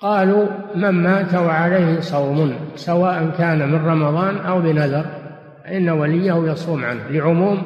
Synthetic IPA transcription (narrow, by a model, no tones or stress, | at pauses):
qɑːluːmanmaːt̪awaʕalejhɪsˤɑwmʊnsawaːʔankaːnamɪnrˤɑmɑðˤɑːnʔawbɪnaðɑɾˤ | ʔɪnːawalɪjːahʊjɑsˤuːmʕa̰nhlɪʕʊmuːm